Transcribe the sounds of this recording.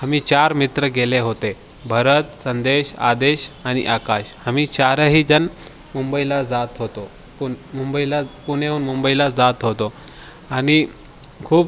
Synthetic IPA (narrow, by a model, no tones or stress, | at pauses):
ɦamit͡ɕaɾmit̪ɾəɡeleɦot̪e | bʱəɾət̪sənd̪eɕa̰d̪eɕañḭʔakaɕhamiːt͡ɕaɾəɦiːd͡zən | mumbəilad͡zat̪ɦot̪o | pu | mumbəilapuñeuːnmumbəilad͡zat̪ɦot̪o | añikʰuːp̚